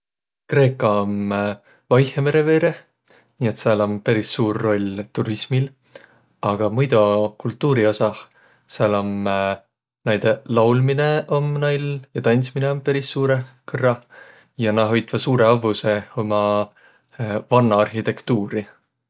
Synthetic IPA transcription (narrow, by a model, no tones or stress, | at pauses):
kre̞ːkːˑɑom | vɑjheme̞ɾe̞ve̞ːɾe | niːe̞t̪sɑlo̞mpeɾisːuːrːo̞lʲt̪uɾismil | ɑɡ̥ɑmujd̪ukult̪ˑːuːɾio̞sɑ | sɑlo̞m | næjd̪̥elɑwlmine̞ʔo̞mnɑjljɑt̪ɑnʲt̪smineo̞mpeɾisːuːɾekɤrːɑ | jɑnɑɦo̞jt̪vɑsuːɾe̞ɑvuse̞omɑ | vɑnːɑɑrhit̪e̞kt̪uːɾi